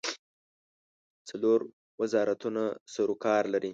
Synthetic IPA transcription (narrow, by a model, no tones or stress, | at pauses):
t͡saloɾ | wɪzɑɾat̪unasaɾokɑɾlaɾi